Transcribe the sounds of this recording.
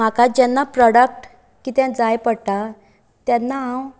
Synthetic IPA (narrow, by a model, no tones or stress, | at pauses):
akad͡ʑɛnːapɾɔɽək̚ʈ | kit̪jãd͡zajpəɽʈ̪a | t̪janːaɦãw